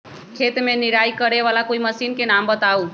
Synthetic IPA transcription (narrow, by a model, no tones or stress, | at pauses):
kʰet̪meniɾajikəɾeʋalakoiməsinkenambət̪au